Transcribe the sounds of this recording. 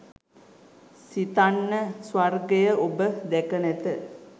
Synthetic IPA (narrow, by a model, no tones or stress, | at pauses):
sit̪anːəsʋarɡejəʔobəd̪ɛkənɛt̪ə